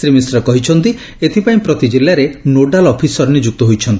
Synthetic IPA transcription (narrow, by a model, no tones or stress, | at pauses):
ɾimisɾɔkɔɦit͡ʃʰɔnt̪i | et̪ʰipaĩpɾɔt̪id͡ʒilːaɾenoɖalɔpʰisɔɾnid͡ʒuk̚t̪ɔɦojt͡ʃʰɔnt̪i